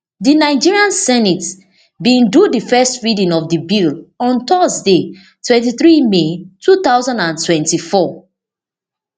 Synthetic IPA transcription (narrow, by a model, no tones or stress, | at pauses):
dinaɪd͡ʒiɹiãnsɛnit | bĩndudifɛstɹidĩnɔfdibilɔ̃ntɔsde | twɛ̃ntiθɹimetuθaʊzãndãntwɛ̃ntifɔ